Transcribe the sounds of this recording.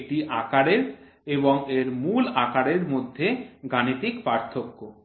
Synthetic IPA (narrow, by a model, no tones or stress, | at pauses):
ʈiʔakaɽeɾ | eboŋeɾmulakaɽeɾmod̪ʱːeɡanit̪ikpaɾt̪ʰokːo